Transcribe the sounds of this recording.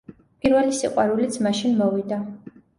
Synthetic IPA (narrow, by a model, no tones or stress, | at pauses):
pʼiɾvɛlisiqʼwaɾulit̪sʰmaʃinmɔvid̪a